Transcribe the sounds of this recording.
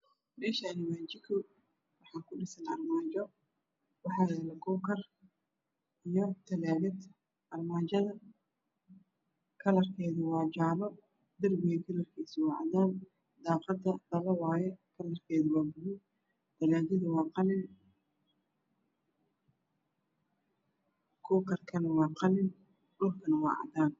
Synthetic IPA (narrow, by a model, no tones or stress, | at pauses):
ɖɪʃɐnɪmaːt͡ʃɪkʰʊ | wɑħɑːkʰʊɖɪsɐnɐrmaːt͡ʃɔ | wɑħɑːjɛːlɛɡɔːkʰɐr | ijɔt̪ʰɐlaːdɪd̪ | ɐrmaːt͡ʃɐðɐ | kʰɐlɐrkʰɛːðɐwɑːd͡ʒaʕβɔ | d̪ɐrbɪɣɐɡ̪ɪlɐrkʰiːswɑʕɑ̰d̪aːn | d̪ɑːqɑd̪ɐdɐlɐwɑːjɛkʰɐlɐrkʰɛːðɪwɑːɡʊwɪ | t̪ɐlaːdɪðɐwɑːqɑlɪn | kʰuːkʰɐrkʰɐnɐwɑːqɑlɪn | dʊlkʰɐnɐwɑ̰ːʕɑ̰d̪aːn